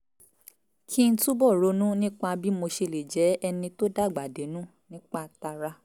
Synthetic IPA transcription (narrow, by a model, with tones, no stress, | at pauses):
kʰi˦n̩˦tu˦bɔ˦˨ɾo˧˦nũ˦nĩ˦k͡pa˧bi˦mo˧ʃe˧le˨d͡ʒɛ˨˦ɛ˧nĩ˧to˦da˦˨ɡ͡ba˨de˨˦nũ˦ | nĩ˦k͡pa˦ta˧ɾa˦